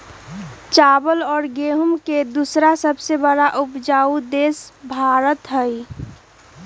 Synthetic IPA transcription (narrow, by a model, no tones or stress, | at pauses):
t͡ʃaːbəlɔːɾɡeɦəmked̪usɾasəbsebəɽaʔʊpd͡ʒaːud̪eːsbʱaːɾət̪ɦəi